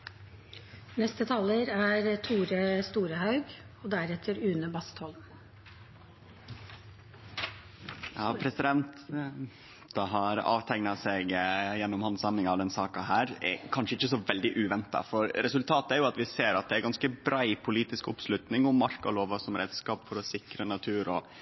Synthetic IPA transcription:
nɛst̪ət̪ʰɑːləɾæɾt̪ʰuːɾəst̪uːɾəhɑʉɡɔd̪æɾɛt̪ʰəɾʉːnəbɑst̪hɔlm | jɑːpʰɾɛsɪd̪ɛnt̪ | d̪̥ɑɦɑɾɑ̰ːʋt̪ʰæŋnɑsɛɡjɛnːʊmhɑnsɑmːɪŋɑʋd̪ɛnsɑːkɑhæːɾɛ̰kʰɑnʂəɪçːəsɔʋɛld̪ɪʔʉːʋɛnt̪ɑ̰fɔɾɾɛsʉlt̪ʰɑːt̪əæɾjʊɑt̪ʋɪseːɾɑt̪̚d̪ɛæɾɡɑnskəbɾæɪpʰʊliːt̪ɪskʊ̰pslʉt̪nɪŋʊmːɑɾkɔloːʋɑsɔmɾḛːd̪skɑːpfɔɾɔsɪkɾənɑt̪ʰʉːɾɔ

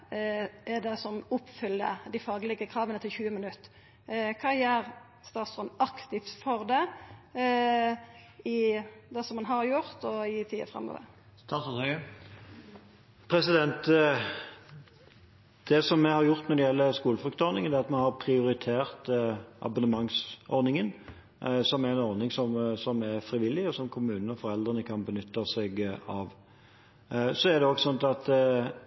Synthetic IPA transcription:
ʔɛd̪ɛsɔmʊpːfʏlːə̰d̪ɪfɑːɡlɪɡəkʰɾɑːʋənət̪ʰɪlçʉːəmɪnʉt̪ː | kʰɑːjæːɾ | st̪ɑːt̪sɔnɑkt̪ɪft̪fɔʁd̪ɛ | ɪd̪ɛsɔmːɑnɦɑɾjʊʁt̪ɔɪt̪ʰiːə̰fʁɛ̰mːɔ̰dɛ̰ | t̪ʰɑst̪ɑ | pʰɾɛsɪd̪ɛnt̪ | d̪̥ɛsɔmːɛhɑɾjʊʁt̪nɔɾd̪ɪjɛlːəskuːləfʁʉkt̪əɔɾnɪŋənɛɑt̪mɛhɑɾpʰɾɪʊɾɪt̪ʰeːʁt̪ʔɑ̰bʊnəmɑŋsɔɾnɪŋən | sɔmæɾɛnɔɾnɪŋsɔmsɔmɛʁfɾɪʋɪlːɪɔsɔmkʰʊmʉːnn̩ɔfɔɾɛld̪ʁənəkʰɑnbənʏt̪ːɑsɛɡɑʋ | sɔæɾd̪ɛɔɡsɔnt̪ɑt̪

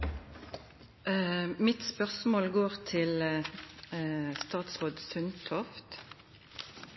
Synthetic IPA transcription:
mɪt̪spœʁsmoːlɡoːʁt̪ʰɪl | st̪ɑːt̪sʁoːd̪sʉnt̪ʰɔft̪

